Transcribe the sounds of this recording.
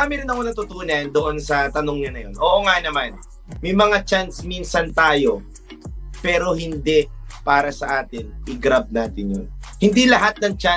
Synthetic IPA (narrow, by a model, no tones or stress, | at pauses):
aːmɪɾɪnɐkonɐt̪ʊt̪uːnɐnd̪oʔo̞nsɐt̪ɐnoŋɲɐnɐjo̞nʔoːʔoŋanɐman | mɐjmɐŋat͡ʃansminsɐnt̪aːjo̞ | pɛːɾo̞ɦɪnd̪ɛpaːɾɐsɐʔaːt̪ɪnɪɡɾab̚naːt̪ɪnjonhɪnd̪ilɐɦat̪̚nɐŋt͡ʃa